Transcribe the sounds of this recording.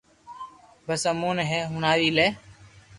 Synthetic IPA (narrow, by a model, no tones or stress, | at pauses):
bəsəmuːnɦeːɦunaːʋiːleː